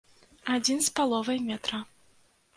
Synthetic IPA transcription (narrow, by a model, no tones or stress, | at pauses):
ad͡zʲinspalˠɔvɐjmʲɛt̪ɾɐ